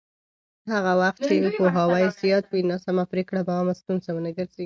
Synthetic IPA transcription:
haɣawaxt̪̚t͡ʃepoɦɑwajzijɑt̪winasamapɾekɽabaɑmast̪unsawənaɡəɾzeɡi

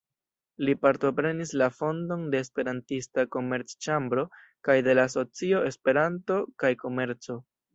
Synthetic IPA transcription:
lipaɾto̞pɾe̞nislafo̞ndo̞nde̞ːspe̞ɾantistako̞me̞ɾt͡st͡ʃambɾo̞ | kajde̞laso̞t͡sio̞e̞spe̞ɾanto̞kajko̞me̞ɾt͡so̞

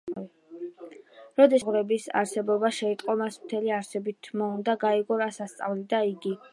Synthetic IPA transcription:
ɾɔd̪ɛʁɾɛbisa̰ɾsɛbɔbaʃɛit̪ʼqʼɔmasmt̪ʰɛliaɾsɛbit̪ʰmɔund̪aɡaiɡɔɾasast̪sʼa̰vlid̪aiɡi

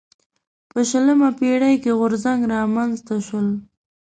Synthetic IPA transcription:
pəʃələmapeɽajkeɣʊɾzaŋɡɾɑmanzt̪aʃwəl

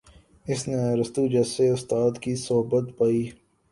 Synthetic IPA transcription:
ɪsneɾɐst̪uːd͡ʒɐseʊst̪aːd̪kisɔɦbət̪paːiː

